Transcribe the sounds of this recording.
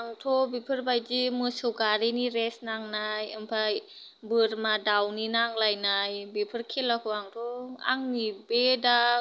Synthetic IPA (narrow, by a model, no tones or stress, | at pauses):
ʔaŋtʰobepʰɯɾbajd͡ʒimɯsɯwkaɾiniɾɛsnaŋnajampʰaj | bɯɾmadawninaŋlajnajbepʰɯɾkʰelakʰuaŋtʰoʔa̰ŋnibeda